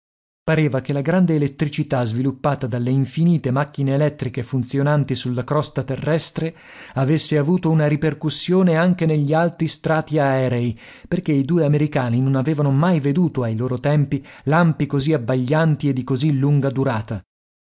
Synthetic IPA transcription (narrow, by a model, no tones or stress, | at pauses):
paɾeːvak̟elaɡɾand̪eːlet̪ːɾit͡ʃit̪azvilupːaːt̪ad̪alːeiɱfiniːt̪emak̟ːineːlɛt̪ːɾikefunt̪sjonant̪isulːakɾɔst̪at̪erːɛst̪ɾe | avesːeavuːt̪ounaɾiperkusːjoːneaŋk̟eneʎːialt̪ɾist̪ɾaːt̪iaɛːɾei | perk̟eid̪uːeameɾikaːninonaveːvanomajved̪uːt̪oajloːɾot̪ɛmpilampikoziabːaʎːant̪ied̪ːikozilːuŋɡad̪uɾaːt̪a